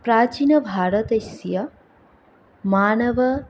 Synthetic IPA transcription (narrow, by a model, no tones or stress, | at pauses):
pɾaːt͡ʃinɐbʱaːɾɐt̪ɐsjɐ | maːnɐʋɐ